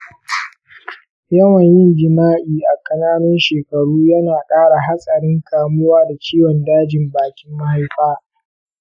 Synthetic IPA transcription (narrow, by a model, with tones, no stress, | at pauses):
jɐ˦wɐ˨ɲjɪ˦ŋɡɪ˨maː˦ʔiː˨ʔa˨kʼɐ˨naː˦nɪ˦nʃeː˨kɐ˨ɽuː˦jɐ˦naː˨kʼaː˦ɽa˨ɦa˦sʼɐ˨ɽɪ˦ŋkʰaː˨mʊ˦waː˦da˨t͡ʃiː˦wɔ˨ndaː˦d͡ʒɪ˨mbaː˨kʲɪ˦mːa˦ha˦jɸaː˦